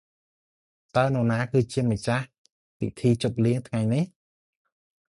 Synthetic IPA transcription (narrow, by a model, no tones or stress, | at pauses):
t̪aənonaːkɨːt͡ɕiəmət͡ɕah | pḭt̪ʰiːt͡ɕop̚liəŋt̪ʰŋajnih